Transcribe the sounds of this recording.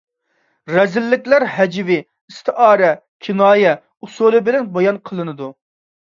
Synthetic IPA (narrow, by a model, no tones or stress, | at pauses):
ɾɛzɪlːɪkʲlæɾɦɛd͡ʒvɪ | ist̪ʰɨʔɑːɾɛ | kʲʰinɑːjɛ | usulˠɨbɪlɛnbɑjɑnqʰəlˠɨnɨd̪u